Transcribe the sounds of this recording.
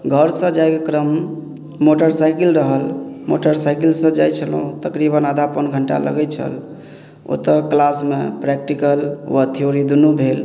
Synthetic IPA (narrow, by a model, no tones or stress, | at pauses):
ɡʱəɾsə̃d͡ʒajkekɾəmː | oʈəɾsajkilɾəɦəlmo̰ʈəɾsajkilsə̃d͡ʒajt͡ʃʰəlũt̪əkɾibənad̪ʱapənɡʱəɳʈa̰lə̰ɡɛt͡ʃʰə̰l | o̰t̪əklasmḛpɾɛk̚ʈikəlwət̪ʰioɾid̪unubʱel